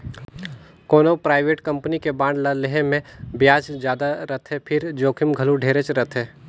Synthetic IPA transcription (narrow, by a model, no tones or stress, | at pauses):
koːnopɾaːɪʋeːʈkɐ̃mpnikebãːɳɖlaleɦemẽbjaːt͡ʃd͡ʒjaːd̪aɾɐt̪ʰɦepʰɪɾd͡ʒoːkʰɪmɡʱəluɖʱeːɾet͡ʃɾɐt̪ʰɦeː